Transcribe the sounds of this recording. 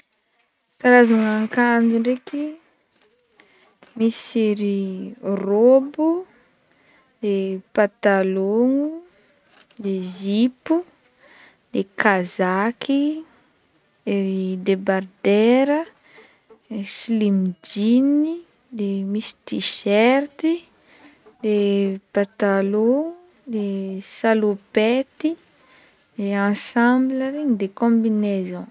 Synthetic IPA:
k̪aɾazaŋaŋkand͡ʒuɳɖ͡ʐeki | miseɾirobu | d̪epat̪aloŋu | d̪ezipu | d̪ekazakʰi | eɾid̪ebard̪eɾə | esilimd͡ʒini | d̪emisi̥t̪iʃɛɾt̪i | d̪epat̪alo | d̪esalupet̪i | d̪̥eɑ̃sɑ̃mbləɾeɲid̪ekɔ̃binezɔ̃

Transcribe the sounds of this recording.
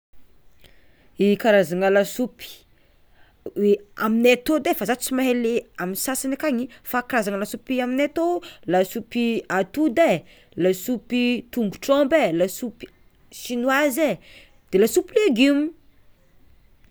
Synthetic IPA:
ikaɾazaŋəlasupi̥ | weaminat̪od̪efazat̪t͡simaɦeleaminsasanakaɲifakaɾazaŋəlasupiaminat̪olasupiat̪ud̪e | lasupit̪uŋɡuʈ͡ʂɔmbelasupi̥ | ʃinwaze | d̪̥elasupileɡimu

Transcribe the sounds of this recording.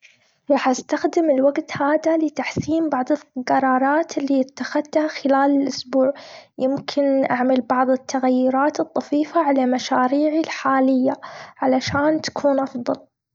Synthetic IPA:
ɾˤɑːħʔast̪axd̪ɪmɪlwaɡt̪haːðalɪt̪aħsiːmbɑʕðˤɪlqɑɾˤɑːɾˤɑːt̪ɪlːiːɪt̪ːaxad̪̚t̪haxɪlaːlɪlʔʊsbuːʕjɪmkʰɪnʔa̰ʕmalbɑʕðˤɨt̪ʰːaɣajːʊɾɑːt̪ɨt̪ˤːɑfiːfaʕalamaʃaːɾiːʕilħaːlɪjːaʕalaʃaːnt̪ḁkʰuːnʔɑfðˤɑl

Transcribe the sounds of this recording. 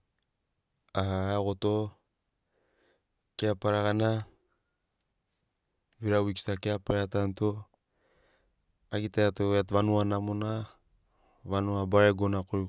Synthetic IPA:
aaɡoto | keapaɾaɣana | viɾawiksi̥takeapaɾeatanto | aɡitajatoatβanuanamona | βanuabaɾeɡonakoɾi

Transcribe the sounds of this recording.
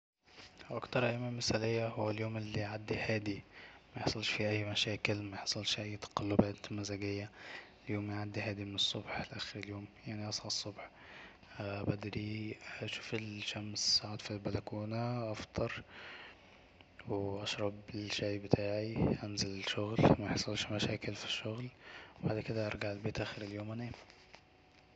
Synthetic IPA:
ʔɑkt̪ɑɾˤʔæʔmæmːɪsælɪjːæhowːæljoːmʔɪlːiʕad̪ːihæːd̪imæjeħsˤɑlʃfiʔæjːmæʃæːkɪlmæjeħsˤɑlʃfiʔæjːt̪ɑ̥qɑlːobæːt̪lmæzæɡɪjːæ | ljoːmʕad̪ːiɦæːd̪imɪnesˤːobħlʔæxɪɾɪljoːmjaʕniʔɑsˤħɑsˤːobħ | bæd̪ɾiʃuːfelʃæmsaʕaːd̪filbælækuːnaʔɑft̪ˤʰɑɾˤ | weʔɑʃɾˤɑblʃæjbɪt̪ʰaːʕiʔænzælɪlʃoɣlmæħsˤɑlʃmæʃæːkɪlfi̥ʃːoɣlbaʕd̪ked̪æʔɑɾˤɡaʕelbeːt̪ʔæːxeɾeljoːmʔænæː

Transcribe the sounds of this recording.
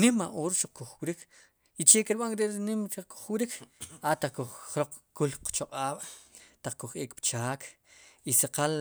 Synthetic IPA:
nimaʔoːɾʃuq͡χ̚kuχwɾikʰ | it͡ʃekiɾɓaŋɾeʔɾinimʃuqku̥χwɾikʰat̪aqkuχχɾoq͡χkulqt͡ʃoqʼaːɓ̥t̪aq͡χkuχʔeːkpt͡ʃaːk | isaqal

